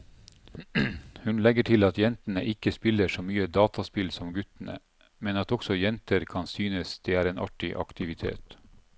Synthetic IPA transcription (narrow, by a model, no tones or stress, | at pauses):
hʉnlɛɡəʈʰɪlɑt̪jɛnt̪ənəʔɪkəspɪləʂɔmyːəd̪ɑːt̪ʰɑspɪlsɔmɡʉt̪ən̩ə̰ | mɛnɑt̪ɔksɔjɛnt̪əɾkʰɑnsyːnəsd̪̥eːæːɾeːnʔɑ̰ʈɪʔɑ̰kt̪ɪʋɪt̪ʰḛːt̪